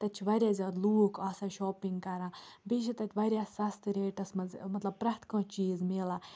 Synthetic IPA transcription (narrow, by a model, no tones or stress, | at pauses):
t̪ɐt͡ʃʰʋɐɾʲjaːzʲɐɾluːkɐːsaʃɔːpĩŋɡkɐɾãːbiːʃʰit̪ɐt͡ʃʲʰʋɐɾjasɐst̪ɾeːʈɐsmɐzmɐt̪lɐb̚pɾɐht̪kãːt͡ʃiːzmeːlaː